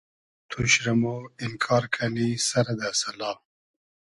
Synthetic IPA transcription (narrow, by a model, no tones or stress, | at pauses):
t̪ʰuɕɾɐmoɪnkʰɑːɾkʰanisɐɾad̪asɐlɑː